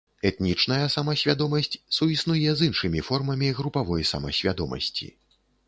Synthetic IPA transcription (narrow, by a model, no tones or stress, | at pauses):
ɛt̪nʲit͡ʂn̪ɐjɐsɐmɐsʲvʲad̪ɔmɐsʲt͡sʲsuisnujɛzinʂɨmʲifɔrmɐmʲiɣɾupavɔjsɐ̰mɐsʲvʲad̪ɔmɐ̰sʲt͡sʲḭ